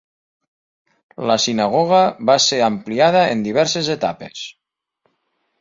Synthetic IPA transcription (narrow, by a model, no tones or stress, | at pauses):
ləsinaɣɔɣaβaseɾampliaðəend̪iβ̞ɛɾsezet̪a̰pḛs